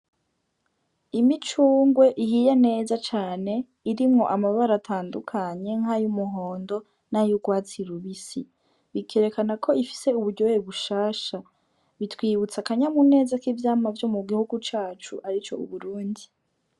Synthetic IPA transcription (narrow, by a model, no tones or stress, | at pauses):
imit͡ʃuːŋɡwe̞ʔihijane̞ːzat͡ʃaːne̞ | iɾimŋo̞ʔamaβaɾatʰaːndukʰaɲe̞ŋhajumuɦo̞ːndo̞ | najuɡwaːt͡siɾuβisi | βikʰe̞ɾe̞kanakʰo̞ifi̥se̞uβuɾɟojeβuʃaːʃa | βitwiːβut͡sakaɲamune̞ːzakivjaːmavjo̞muɡihuɡut͡ʃaːt͡ʃuʔaɾit͡ʃo̞̰ṵβuɾuːndi